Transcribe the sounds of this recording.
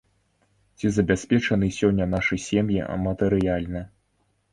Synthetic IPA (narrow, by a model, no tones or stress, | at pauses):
t͡sʲizɐbʲasʲpʲɛt͡ʂɐnɨsʲɔnʲːɐn̪aʂɨsʲɛmjḭɐ̰mɐt̪ɛɾɨjalʲnɨ